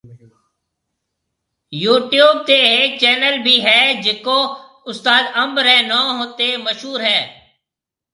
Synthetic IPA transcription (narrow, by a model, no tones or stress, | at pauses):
juːʈjuːb̚t̪eːɦeːk̚t͡ʃɛːnəlbʱiːɦɛːd͡ʒɪkoː | ʊst̪aːd̪əmbɾɦɛːnoːɦoːt̪eːməʃɦuːɾɦɛː